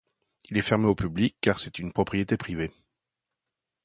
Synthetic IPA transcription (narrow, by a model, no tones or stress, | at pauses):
ilɛfɛʁmeopyblikːaʁsɛt̪ynpχɔpχijet̪epχive